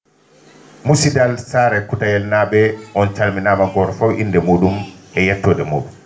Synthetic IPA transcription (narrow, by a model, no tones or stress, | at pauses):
musidalsaɾɛkutajɛlnaɓɛʔɔnt͡ʃalminaːmaɡɔɾfawʔḭndɛmoːɗumɛjɛtːɔːdɛmoːɗu